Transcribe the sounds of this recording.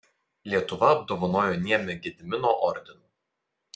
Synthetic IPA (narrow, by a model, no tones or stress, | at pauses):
lʲiɛt̪ʊʋɐɐbd̪oːʋɔnoːjoːnʲiɛmʲɪɡʲɪd̪ʲmʲɪnoʔɔɾʲd̪ʲɪnuː